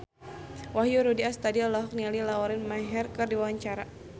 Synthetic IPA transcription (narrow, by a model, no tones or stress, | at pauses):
waɦjuɾudiast̪adilaɦɔk̚nialilaɔɾɪnmaɦɛrkɨrdiwawaɲt͡ʃaɾa